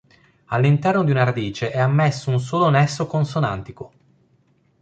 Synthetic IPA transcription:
alːint̪ɛrnod̪iunaɾad̪iːt͡ʃeʔɛamːɛsːouns̬oːlonɛsːokonsona̰nt̪iko

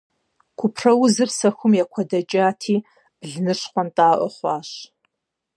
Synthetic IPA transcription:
kʷʰʊpʰrɐwʊzɨrsɐxʷʊmjakʷʰɐdɐt͡ʃʼaːtʰiː | b̥ɮnɨʂχʷɔntʼaːʔʷɔχʷɑːɕ

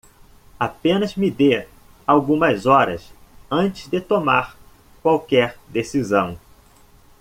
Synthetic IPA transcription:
apẽnɐzmɪd̪e | awɡũmɐzɔɾɐ̰sɐ̃nt͡ʃɪ̥zd̪ɪt̪omaɾ | kwawkɛɾd̪esizɐ̃w̃

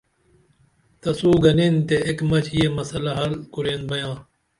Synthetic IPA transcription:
t̪ɐsuːɡɐnent̪eekmɐt͡ɕʰjemɐsɐlɐɦɐlkuɾeːnbɐjãː

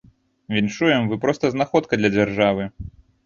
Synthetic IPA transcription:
vʲinʂujɛmvɨpɾɔst̪ɐznaxɔt̪kɐd̪lʲɐd͡zʲarʐavɨ

